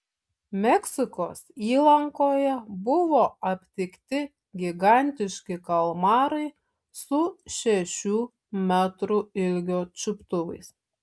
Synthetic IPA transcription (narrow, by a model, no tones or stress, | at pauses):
mʲɛksʲɪkoːsiːlˠɐŋkoːjɛbʊʋoːɐpʲt̪ʲɪkt̪ʲɪ | ɡʲɪɡɑˑnʲt̪ʲɪʃʲkʲɪkɐlˠmɑːɾɐɪ | sʊʃʲɛʃʲuː | mʲæt̪ɾuɪlʲɡʲoːt͡ʃʲʊpt̪ʊʋɐɪs